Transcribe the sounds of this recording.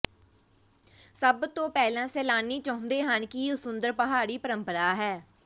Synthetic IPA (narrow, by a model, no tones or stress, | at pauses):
səbt̪õːpɛːlãːsɛːlaːniːt͡ʃəːʊ̃nd̪eːɦənkɪʊsʊnd̪əɾpəɦaːɽiːpəɾəmpəɾaːɦɛː